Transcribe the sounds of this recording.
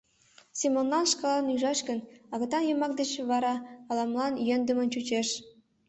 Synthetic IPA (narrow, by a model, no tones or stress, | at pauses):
sʲimonːɑnʂkɑlˠɑnyʐɑɕkə̆nɑɣɤ̆t̪ɑnjɤ̆mɑk̚d̪ĕt͡ɕβɑɾɑɑlˠɑmlˠɑnjønd̪ə̆mə̆nt͡ɕut͡ɕeʃ